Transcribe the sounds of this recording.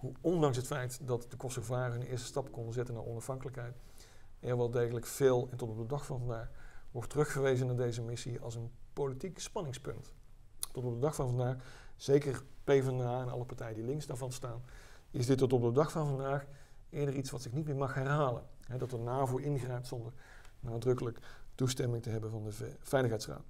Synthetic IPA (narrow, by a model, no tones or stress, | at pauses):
ɦuɔndɑŋs̬ɦətfɛjtdɑtd̥əkɔstxəvaːrəənɪ̰ːɹstə̥stɑpkɔndəzɛtənaːɹʔɔnɑfɦɑŋkələkɦɛjt | ɛɹʋaːlˠdejɣələkfɪːlˠɛntɔtɔb̚dədɑxfɑnvɑndaːxʋɔɹtːərɵxfərʋejzənaːɹdejzəmɪsiɑ̰lˠsənpowlitikspɑnɪŋspɵ̰nt | tɔtɔp̚dədɑxfɑnvɑndaːxz̥ejkərpejvɛnaːɛnɑ̰lˠəpaɹtɛjədilɪŋzdaːɹvɑnstaːnɪzdɪtːɔtɔb̚dədɑxfɑnvɑndaːxɪːɹdəritsʋɑtsɪknit̚mɪːɹmɑxɦɛrɦaːlə̰nɦɛdɑtənaːvuɪnɣrɛjp̚tsɔndər | naːdrɵkələktustɛmɪŋtəɦɛbənvɑndəv̥ɛjləxɦɛjtsra̰ːt